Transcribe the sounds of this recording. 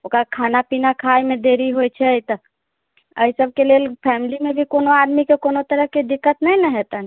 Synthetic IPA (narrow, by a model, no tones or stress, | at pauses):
okɾakʰanapinakʰajmed̪eɾiɦojt͡ʃʰɛjt̪ə | ə̰isəb̚ʱkelelpʰɛmilimebʱikonoad̪mikekonot̪əɾəɦked̪ikːət̪nɛjnɛɦet̪əni